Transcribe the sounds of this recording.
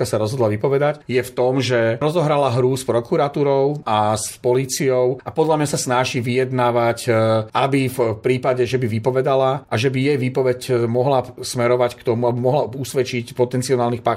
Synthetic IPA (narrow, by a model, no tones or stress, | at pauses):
asaɾɔzɦɔd̪laʋipɔʋɛd̪acjɛft̪ɔmʒɛɾɔzɔɦɾalaɦɾuspɾɔkuɾat̪uːɾɔʊaspɔliːt͡siɔʊʔapɔd̪ʎamɲasasnaʒiʋijɛd̪naːʋacabifpɾiːpaɟɛʒɛbiʋipɔʋɛd̪alaʔaʒɛbijɛjʋiːpɔʋɛcmɔɦlasmɛɾɔʋackt̪ɔmuabimɔɦlausʋɛt͡ʃicpɔt̪ɛnt͡siɔnaːlnixpa